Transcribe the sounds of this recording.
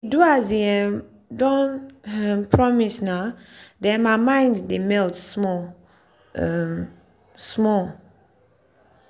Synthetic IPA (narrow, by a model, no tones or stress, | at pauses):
iduaziɛ | dɔ̃nɛpʰɹɔmisnadɛ̃mamãj̃nddemɛltsmɔ | smɔl